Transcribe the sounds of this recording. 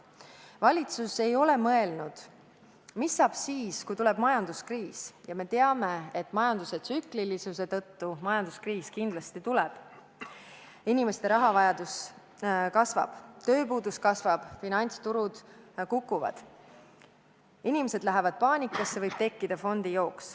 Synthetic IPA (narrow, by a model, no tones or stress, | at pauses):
vɑlʲit̪suse̞jo̞le̞mɤe̞lnud̪̥ | misːɑːb̥siːskujt̪ulɛ̞b̥mɑjɑnd̪̥uskriːsjɑme̞t̪e̞ɑme̞et̪ːˑmɑjɑnd̪use̞t̪syklilisuse̞t̪ɤ̞t̪ːumɑjɑnd̪̥uskriːskind̪lɑst̪it̪ulɛb̥ | inime̞st̪e̞ɾɑɦɑvɑjɑd̪̥us | kɑsvɑ̰b̥t̪ø̞ːpuːd̪uskɑsvɑb̥finɑnʲt̪st̪uɾud̪̥kukːˑuvɑ̰d̪̥ | inimese̞d̪̥læɦevɑd̪̥̚pɑːnʲikːˑɑsːevɤjb̥̚t̪e̞kːid̪̥ɑfo̞nd̪̥ijo̞ːks